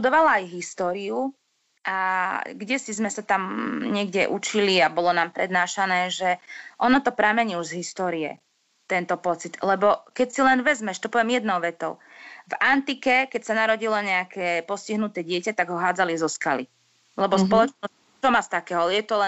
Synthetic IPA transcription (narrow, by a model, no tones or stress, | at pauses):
t̪ud̪ɔʋalaːjɦist̪ɔːɾiu | ʔaɡɟɛsizmɛsat̪amɲɪɛɡɟɛ̰ʔut͡ʃiliabɔlɔnaːmpɾɛd̪naːʃanɛːʒɛʔɔnɔt̪ɔpɾamɛɲiuʒzɦist̪ɔːɾiɛ̰ | t̪ɛnt̪ɔpɔt͡sit̪lɛbɔkɛcsilɛnʋɛzmɛʃt̪ɔpɔʋɛmjɛd̪nɔʊʋɛt̪ɔʊ | vant̪ikɛkɛcsanaɾɔɟilɔɲɛakʰɛːpɔsciɦnut̪ɛːɟɪɛcat̪aɡɦɔɦaːd͡zalizɔskalḭ | lɛbɔspɔlɔt͡ʃnɔ | t͡ʃɔmast̪akɛːɦɔjɛt̪ɔlɛ